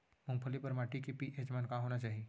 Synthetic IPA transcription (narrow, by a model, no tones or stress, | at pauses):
mʊ̃ŋpʰəlipəɾmaʈikepiʔed͡ʒmankaɦonat͡ʃaːɦi